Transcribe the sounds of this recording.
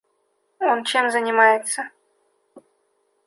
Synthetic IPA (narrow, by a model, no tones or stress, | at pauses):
ont͡ɕemzənʲɪmajɪt̪sə